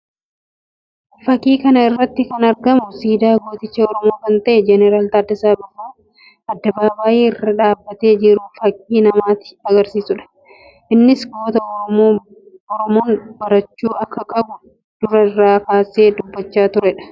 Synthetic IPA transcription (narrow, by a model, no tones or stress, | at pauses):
fɐkːiːkɐnɐɪrːɐt̪ːɪkɐnɐɾɡɐmʊsiːd̪aːɡoːt̪ɪt͡ʃːɐɔɾɔmo̞ːkɐnt̪ɐʔɛd͡ʒɛnɛɾaːlt̪aːd̪ːɐsaːbɪfuː | ɐd̪ːɐbaːbaːʔiːɪrːɐᶑaːbːɐt̪e̞ːd͡ʒɪɾuːfɐkʼːiːnɐmaːt̪ɪ̥ɐɡɐɾsiːsʊᶑɐ̥ | ʔɪnːɪsɡo̞ːt̪ɐo | ɔɾɔmoːnbɐɾɐt͡ʃːuːɐkːɐkʼɐbʊ | d̪̥ʊɾɐɪrːaːkaːse̞ːd̪ʊbːɐt͡ʃːaːt̪ʊɾɛᶑɐ̥